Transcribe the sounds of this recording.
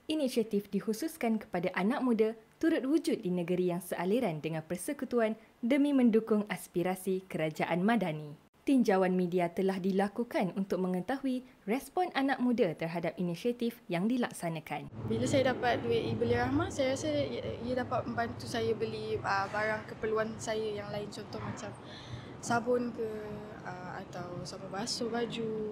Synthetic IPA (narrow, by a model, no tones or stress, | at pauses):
ʔinisiat̪ifdihususkankə̥padaʔanãk̚mũdat̪uɾʊt̪̚wud͡ʒʊt̪̚dinə̃ɡəɾijaŋsəʔaliɾandəŋãnpərsəkut̪uan | dəmĩmə̃ndukʊŋaspiɾasikəɾad͡ʒaʔanmãdanĩ | t̪iɲd͡ʒawanmĩdiat̪əlahdilakukanunt̪ʊk̚mə̃ŋə̃t̪aɦuirɛspɔnʔanak̚mũdat̪ərɦadap̚inisiat̪ifjaŋdilaksanãkanbilasajadapat̪̚duɪʔibuliɾahmasajaɾasəijadapat̪̚mə̃mbant̪usajəbəliəbaɾaŋkəpərluansajəjaŋlaɪnt͡ʃɔnt̪ɔhmãt͡ʃam | sabʊnkə | əma̰t̪awsaməbasobad͡ʒu